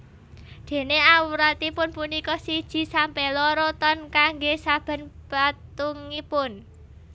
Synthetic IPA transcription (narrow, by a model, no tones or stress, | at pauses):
d̪̥e̤neawuɾat̪ipʊnpunikɔsid̥ʒ̥i̤sampelɔɾɔt̪ɔnkaŋɡesab̥ə̤nb̥at̪uŋipʊn